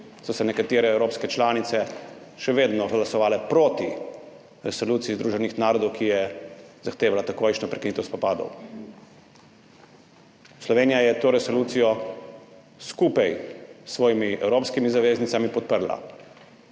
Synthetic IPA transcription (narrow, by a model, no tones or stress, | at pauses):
sɔsɛnɛkat̪iːɾɛɛwɾoːpskɛt͡ʃlaːnit̪sɛ | ʃɛʋeːd̪nɔɡlasɔʋaːlɛpɾoːt̪i | ɾɛsɔluːt̪sijiːzd̪ɾuːʒɛnixnaːɾɔd̪ɔwkijɛzaxt̪eːʋalat̪akojʃnɔpɾɛkiniːt̪ɔwspɔpaːd̪ɔ̰w | slɔʋeːnijajɛt̪oːɾɛsɔluːt̪sijɔ | skuːpajsʋɔːjimiɛ̰wɾoːpskimizaʋeːznit̪samipɔt̪̚pəɾla̰